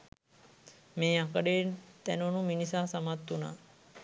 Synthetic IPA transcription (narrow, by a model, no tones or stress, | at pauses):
meːakəɖeːt̪ænnuminisaːsamat̪ːuna̰ː